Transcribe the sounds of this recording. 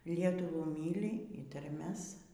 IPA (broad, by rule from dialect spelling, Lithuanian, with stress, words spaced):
ˈlʲiɛtʊʋuː ˈmʲiːlʲɪ iː tɐrʲˈmʲɛs